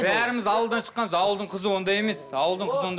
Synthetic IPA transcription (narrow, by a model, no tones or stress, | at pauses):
bæɾɪmɪzɑwəlˠd̪ɑnʃə̥qːɑnməzɑwəlˠd̪əɴqʰəzəwo̞nd̪ɑje̞me̞sɑwəlˠd̪əɴqʰəzəwo̞n